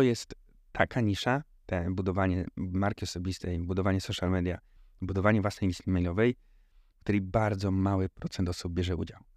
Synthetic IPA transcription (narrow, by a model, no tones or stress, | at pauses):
ɔjɛst̪ʰː | akʰaɲiʂa | t̪ɛbud̪ɔvaɲɛmaɾkʲiɔsɔbʲist̪ɛjbud̪ɔvaɲɛsɔʂjalmɛd̪ʲjabud̪ɔvaɲɛvwasnɛjlʲist̪ʲimɛjlɔvɛj | kt̪uɾɛjbaɾd̪zɔmawɘpɾɔt̪sɛnt̪ɔsub̚bʲjɛʐɛṵd͡ʑaw